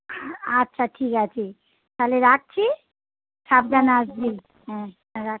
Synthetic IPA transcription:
atːʃʰaʈʰikat͡ʃʰi | t̪aleɾak̚t͡ɕʰi | sap̚ɡanasd͡ʑi | ɦɛ̃ | ɾa

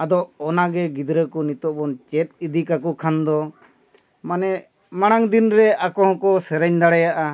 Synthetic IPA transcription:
ad̪ɔʔɔnaɡɛɡid̪ɾəkɔnit̪ɔʔbɔnt͡ʃɛt̪̚ˀid̪ikakɔkʰand̪ɔ | manɛ | maɽ̃aŋd̪inɾɛakɔɦɔ̃kɔsɛɾɛɲd̪aɽɛjaʔa

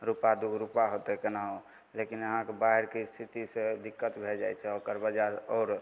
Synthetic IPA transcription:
ɾupad̪uɡʱɾupaɦot̪ekenaɦo | lekinəɦãkebaɦeɾkest̪ʰit̪ised̪ikːət̪bʱeld͡ʒajt͡ʃʰɛokəɾbəd͡ʒaɔːɾ

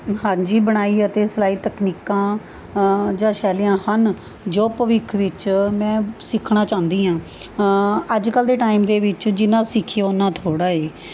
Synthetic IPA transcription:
ɦãːd͡ʒiːbəɽ̃aːiːət̪eːsəlaːiːt̪əkniːkãː | d͡ʒãːʃɛːlɪjãːhən | d͡ʒoːpəʋɪkʰʋɪt͡ʃmɛ̃ːsɪkʰɳãːt͡ʃãːnd̪iːãː | əd͡ʒkəld̪eːʈaːimd̪eːʋɪt͡ʃd͡ʒɪnːãːsɪkʰːaʊnãːt̪ʰoːɽaːeː

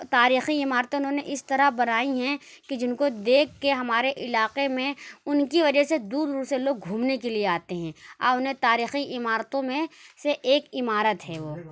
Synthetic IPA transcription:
t̪aːɾiːxiɪmaːɾt̪ʊnɦõːneʔɪst̪ɐɾabɐnaːiɦɛ̃ked͡ʒɪnkod̪eːkʰːeɦɐmaːɾeʔɪlaːqemẽʊnkiʋɐd͡ʒəsed̪uːɾuːɾseloːɡ̚ɡʱuːmnekelieaːt̪eɦɛ̃a̰ːʊnɦẽt̪aːɾiːxiʔɪmaːɾt̪õmẽseʔeːkɪmaːɾət̪ɦɛːʋoː

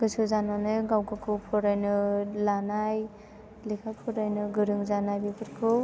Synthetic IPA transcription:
ɡ̥ɯsɯzananɯjɡawɡakʰɯwpʰɔɾajnɯlanaj | likʰapʰɔɾajnɯɡɯɾɯŋzanajbipʰɯɾkʰɯ

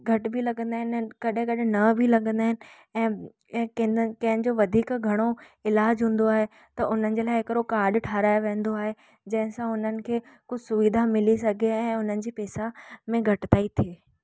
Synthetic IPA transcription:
ɡʱɐʈ̆bʱilɐɠə̃nd̪aːɦɪnkɐɗɦɪ̃kɐɗɪnɐbʱilɐɡə̃nd̪aːɦɪnɪ̆ | ɛ̃ː | ɛ̃ːkkɐ̃ɦɪ̃nɪ̆d͡ʑoʋɐd̪ʱiːkɡʱɐɽ̃oɪlaːd͡ʑɦũːn̆d̪oaːɦe | t̪ɐʔʊn̤ənɪ̆d͡ʑeːlaːɪɦɪkɾokaːɾɖʈʰaːɾaːjoʋẽːnd̪oaːɦe | d͡ʑɐ̃ɦɪ̃sãʊn̤ənɪ̆kʰeː | kʊd͡ʑʱɪsʊʋiːd̪ʱamɪlisɐɡʱeɛ̃ːʊn̤ənɪ̆d͡ʑiːpɛːsamẽɡʱɐʈɪt̪aːit̪ʰieː

